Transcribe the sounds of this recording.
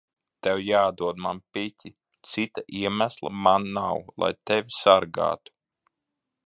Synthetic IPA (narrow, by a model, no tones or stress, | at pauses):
t̪ɛwjaːd̪uɔd̪manpit̪ʲi | t̪sit̪aʔiɛmæslˠa̰manːawlˠa̰jt̪ɛvʲisaɾɡa̰ːt̪u̥